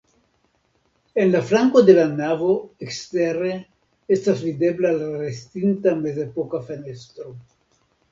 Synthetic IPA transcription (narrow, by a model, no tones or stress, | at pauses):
enlafɾaŋkod̪elanavoekst̪ere | est̪azvid̪eblealaɾest̪int̪amezepokafenest̪ɾo